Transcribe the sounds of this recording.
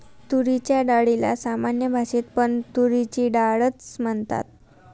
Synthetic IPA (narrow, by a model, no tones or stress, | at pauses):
t̪uɾit͡ɕjaɖaɽila̰samanjəbʱaɕiːt̪pəɳt̪uɾit͡ɕiːɖaɭət͡sməɳt̪a̰t̪̚